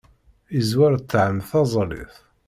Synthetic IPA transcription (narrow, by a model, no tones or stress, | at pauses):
izwæɾt͡s̪ːʕəmθɑzˤlḭθ